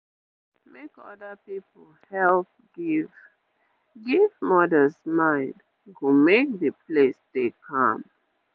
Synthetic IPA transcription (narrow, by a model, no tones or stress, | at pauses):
mekɔ̰dəpipl̩ | hɛlp̚ | ɡiv | ɡivmɔdəlsmãɪ̃nd | humek̚ðəplesdekʰã̰m